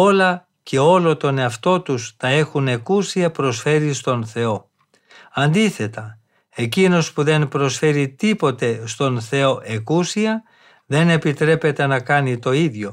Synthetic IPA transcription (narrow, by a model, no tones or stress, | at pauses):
o̞lɐ | cʰe̞o̞lo̞t̪o̞ne̞ɐft̪o̞t̪ust̪ɐe̞xune̞kusiɐpɾo̞sfe̞ɾist̪o̞nθe̞o̞ | ɐnd̪iθe̞t̪ɐ | e̞cino̞spuðe̞npɾo̞sfe̞ɾit̪ipo̞t̪e̞st̪o̞nθe̞o̞ʔe̞kusiɐ | ðe̞ne̞pit̪ɾe̞pe̞t̪e̞nɐkɐnit̪o̞iðʝo̞